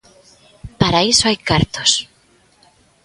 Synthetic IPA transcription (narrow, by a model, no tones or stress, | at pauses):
paɾaisoajkaɾt̪os